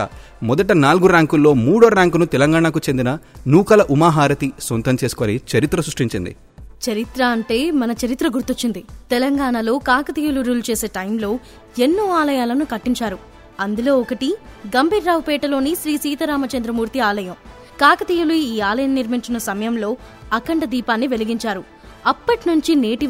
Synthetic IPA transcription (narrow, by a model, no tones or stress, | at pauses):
mɔd̪ɐʈɐnaːlɡuɾaːŋkulːo̞ːmuːɽoːɾaːŋkunut̪ɛlɐŋɡaːɳakut͡ʃe̞nd̪inɐnuːkɐlɐʔumaːɦaːɾɐt̪isɔnt̪ɐmt͡ʃe̞ːsu̥koːnit͡ʃɐɾit̪ɾɐsɾuʂʈiɲt͡ʃḭnd̪ḭ | t͡ʃɐɾit̪ɾɐːɳʈe̞ːmɐnɐt͡ʃɐɾit̪ɾɐɡuɾt̪ut͡ʃːind̪it̪ɛlɐŋɡaːɳalo̞ːkaːkɐt̪iːjuluɾuːlt͡ʃe̞ːse̞ːʈɐjmlo̞ː | enːuːaːlɐjaːlɐnukɐʈːiɲt͡ʃaːɾu | ɐnd̪ulo̞ːɔkɐʈiɡɐmbʱiːɾːaːwpɛːʈɐlo̞ːniʃɾiːsiːt̪ɐɾaːmɐt͡ʃɐnd̪ɾɐmuːɾt̪iaːlɐjɐm | kaːkɐt̪iːjuluiːaːlɐjɐmːiɾmiɲt͡ʃinɐsɐmɐjɐmlo̞ː | ɐkɐɳʈɐd̪iːpaːnːiʋe̞liɡiɲt͡ʃaːɾu | ɐpːɐʈinuɲt͡ʃineːʈi